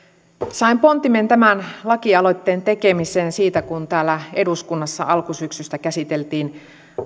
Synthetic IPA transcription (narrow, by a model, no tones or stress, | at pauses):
sɑimpo̞nt̪iment̪æmænlɑkiɑlo̞jt̪ːe̞ːnt̪e̞ke̞mise̞ːnsiːt̪ækunt̪æːlːæe̞duskunːɑsːɑ̰ʔɑlkusyksyst̪ækæsit̪elt̪iːn